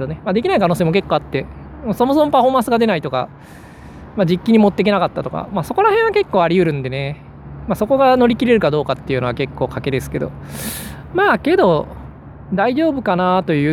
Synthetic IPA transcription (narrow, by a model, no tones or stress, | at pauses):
onemad̪ekʲinaikano̞ːseːmoke̞kːoːat̪ːe̞ | maso̞mo̞s̬omo̞paɸo̞ːmãsɨɡad̪e̞nait̪o̞ka̰ | mad͡ʑikʲːiɲ̟imo̞t̪ːe̞k̬ʲenakat̪ːat̪o̞ka̰maso̞ko̞ɾahẽ̞ɰ̃ake̞kːo̞ːaɾʲijɯ̟ɾɯ̟̃nd̪e̞ne̞ | maːso̞ko̞ɡano̞ɾʲikʲiɾe̞ɾɯ̟kad̪o̞ːkat̪ːe̞iɯ̟no̞βake̞kːo̞ːkake̞d̪e̞sɨ̥ke̞d̪o̞̰ | maːke̞d̪o̞ | d̪aiʑo̞ːbɯ̟kanat̪o̞jɯ̟ː